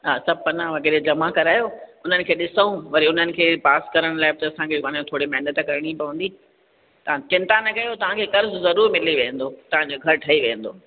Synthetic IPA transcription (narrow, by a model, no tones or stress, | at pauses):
ɦaːsɐb̚ɐnãʋɐɡeːɾed͡ʑɐmakɐɾaːjoʊn̤ənɪ̆kʰeːɗɪsəũʋɐɾiʊn̤ənɪ̆kʰeːpaːskɐɾəɽ̃laːɪbɪt̪ɐɐsãkʰeːãːõt̪ʰoːɽimɛɦnət̪kɐɾɪɽ̃ipɐʋə̃nd̪iː | t̪ɐãt͡ɕɪ̃nt̪anɐkɐjot̪ɐʋ̤ãkʰeːkɐɾzzɐɾuːɾmɪliʋeɦə̃nd̪oːt̪ɐʋ̤ãɲd͡ʑoːɡʱɐɾʈʰɐiʋeɦə̃nd̪oː